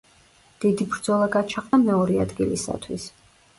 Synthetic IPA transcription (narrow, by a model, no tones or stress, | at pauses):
d̪̥id̪ibɾd̪zɔlˠaɡat͡ʃʰaqʼamɛɔɾia̰d̪ɡilisa̰t̪ʰwḭs